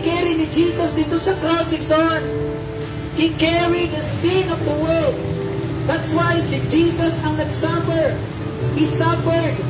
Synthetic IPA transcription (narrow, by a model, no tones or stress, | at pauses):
kɛɾinɪd͡ʒisɐsd̪ɪt̪osɐkɾɔsɪŋsaɹt̪̚ | hikɛɹid̪əsĩnɔvðəwɜld̪̚ | ðat̪swajsɪd͡ʒisɐsɐŋnɐɡsafəɹd | hisafəɹd̪̚